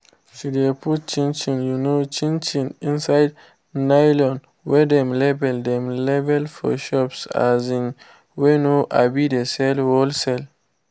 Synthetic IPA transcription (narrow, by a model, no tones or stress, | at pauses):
ʃidepʰut̚t͡ʃĩnt͡ʃĩnjunot͡ʃĩnt͡ʃĩnĩnsajd | najlɔ̃n | wɛdɛ̃mlɛbɛldɛ̃mlevɛlfɔ̰ʃɔpsa̰zĩŋ | wenoʔa̰bidesɛlwɔlsɛl